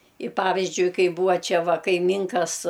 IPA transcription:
ɪ ˈpɑːʋʲɪzʲd͡ʒʲʊɪ ˈkɐɪ ˈbuːʋɐ ˈt͡ʃʲɛ ˈʋɐ kɐɪˈmʲiːŋkɐs

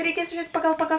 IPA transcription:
rʲɛɪˈkʲiɛs ʒʲʊˈrʲiɛtʲ ˈpɑːɡɐlˠ ˈpɑːɡɐlˠ

